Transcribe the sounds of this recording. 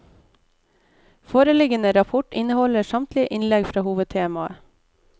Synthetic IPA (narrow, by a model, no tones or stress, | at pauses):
foːɾəlɪɡənəɾɑpʰʊʈɪnəhɔləsɑmt̪lɪʔɪnlɛɡfɾɑːhuːʋəd̪̚t̪ʰeːmɑə̰